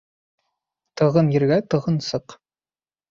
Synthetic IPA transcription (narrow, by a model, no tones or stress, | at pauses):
t̪ʰɤ̆ʁənjɘ̆rɡæt̪ɤ̆ʁɤnsɤq